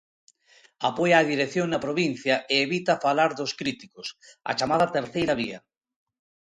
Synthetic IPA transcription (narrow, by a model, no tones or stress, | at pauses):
apɔjaːðiɾekθjoŋnapɾoβin̟θjaʔeːβit̪afalaɾðʊskɾit̪ikʊsa̰t͡ʃamaðat̪eɾθejɾaβiɐ